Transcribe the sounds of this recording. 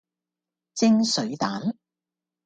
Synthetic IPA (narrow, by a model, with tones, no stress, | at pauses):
t͡sɪ˥ŋsɵ˨˥ɥt̪aː˨˥n